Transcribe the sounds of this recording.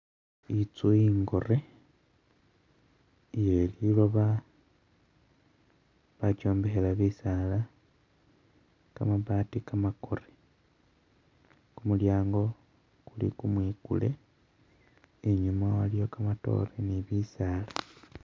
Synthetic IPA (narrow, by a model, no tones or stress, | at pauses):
it͡suiŋɡo̞re̞ | jelilo̞βa | βat͡ʃo̞ːmbehelaβisala | kamaβaːtikamako̞re̥ | kumuljaːŋɡo̞ | kulḭkumwiːkṵle̞̰ | eɲumawalijo̞kamato̞̰reniβisaːla